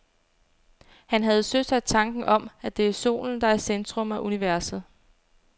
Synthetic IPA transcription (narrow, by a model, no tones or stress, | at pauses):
hænɦæð̞̩ˠsøsæd̥̚t͡sʰɑ̈ŋɡ̥n̩ʔɒ̽mæd̥e̝æɐso̝̰ːln̩d̥ɑ̈æɐsend̥ʁɔ̽mæʔuniʋæɐ̰sð̩ˠ